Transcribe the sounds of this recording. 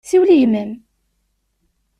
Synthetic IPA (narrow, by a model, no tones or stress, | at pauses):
θiwlijməm